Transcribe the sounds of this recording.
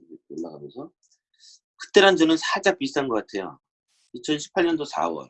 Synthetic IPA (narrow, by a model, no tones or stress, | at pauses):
eoɭːaɡamjʌnsʰʌ | kɯ̥t͈eɾand͡ʑʌnɯnsʰad͡ʑap͈ist͈ʰanɡʌk͈atʰe̞jo̰ | it͡ɕʰʌnɕʰi̥pʰaɭɲʌndosʰa̰wʌ̰ɭ